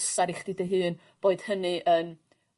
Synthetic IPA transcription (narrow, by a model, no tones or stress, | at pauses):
saɾiχd̥idəɦɨːn | b̥oːɨd̥hənɨʔəːm